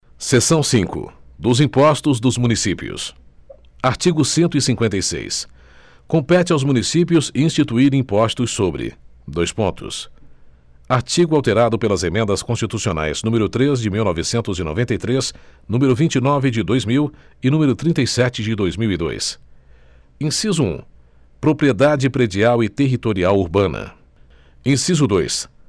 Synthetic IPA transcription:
sesɐ̃w̃sĩkʊ̰d̪ʊzĩpɔst̪ʊzd̪ʊzmũnisipḭʊ̰s | aɾt͡ʃiɡʊsẽnt̪ʊisĩŋkwẽnt̪ejsḛjs | kõpɛt͡ʃɪawzmũnisip̬iʊzĩst͡ʃit̪uiɾ̃ĩpɔst̪ʊsːobɾɪ̰d̪ojspõnt̪ʊ̰s | aɾt͡ʃiɡʊawt̪eɾad̪ʊpelɐzemẽnd̪ɐskõst͡ʃit̪usiona̰jz̥nũmeɾʊt̪ɾezd͡ʒɪmiwnɔvɪsẽnt̪ʊzɪno̰vẽt̪ɐjt̪ɾesnũmeɾʊvĩnt͡ʃinɔvɪd͡ʒɪd̪ojzmiw | ɪnũmeɾʊt̪ɾĩnt̪ejsɛt͡ʃɪd͡ʒɪd̪ojzmiwid̪o̰js | ẽsizʊṵ̃ | pɾopɾied̪ad͡ʒɪpɾed͡ʒiawɪt̪eɦit̪oɾiawuɾbɐ̃nɐ̰ | ẽsizʊd̪ojs

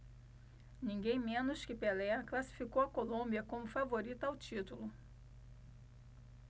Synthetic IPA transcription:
nĩŋɡẽj̃mẽnʊʃkɪpelɛɐklasi̥fikowɐkolõmbiɐkõmʊfavoɾit̪ʊawt͡ʃit̪ulʊ

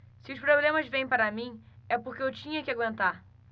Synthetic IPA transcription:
sɪʊspɾoblẽmɐzvẽj̃paɾɐmĩ | ɛpoɾkeewt͡ʃĩɲɐkɪaɡwẽnt̪aɾ

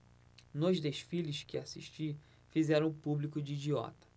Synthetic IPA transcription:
nʊʒd̪eʃfilʊʃkɪasḭʃt͡ʃi | fizɛɾɐ̃w̃ʊpublikʊd͡ʒɪːd͡ʒiɔ̰t̪ɐ̥

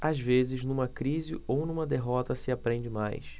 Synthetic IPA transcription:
azvezɪznũmɐkɾizɪ̰ownũmɐd̪eɦɔt̪ɐsɪapɾẽnd͡ʒɪma̰js

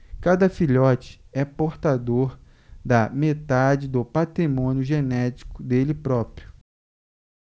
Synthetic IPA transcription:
kad̪ɐfiʎɔt͡ʃɪ̥ | ɛpoɾt̪ad̪oɾ | d̪ɐmet̪ad͡ʒɪd̪ʊpat̪ɾimõnjʊʒenɛt͡ʃi̥kʊd̪elɪpɾɔpɾijʊ

